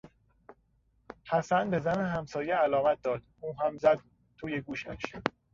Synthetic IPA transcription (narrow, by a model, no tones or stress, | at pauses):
hæsænbe̞zæneɦæmsɒːjeælɒːmæt̪̚d̪ɒːd̪̥uːɦæmzæd̪̚ | t̪ʰuːjeɡuːʃæ̰ʃ